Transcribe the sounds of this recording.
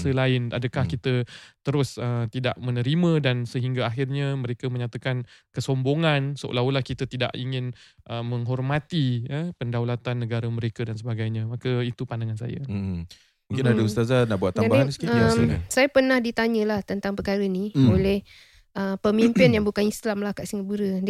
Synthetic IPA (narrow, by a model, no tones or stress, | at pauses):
səlaɪna̰dəkahkit̪ət̪əɾʊsət̪ida̰ʔmənəɾimə̃dansəɦiŋɡaaɦɪrɲaməɾekəmə̃ɲat̪akankəsomboŋansəʔo̰lawulahkit̪ət̪ida̰ʔiŋɪn | ʔəməŋɦɔrmat̪iəpəndawlat̪anːəɡaɾəməɾekədans̬əbaɡajɲãmakəit̪upandaŋans̬a̰ja̰ | muŋkɪnadaust̪azanaʔbuat̪ːaabaanisə̥kiəsajapərnahdit̪aɲə̃laht̪ənt̪aŋpəkaɾəniolɛh | ʔəpəmimpɪnjaŋbukanislamlahkaʔsiŋəbuɾəd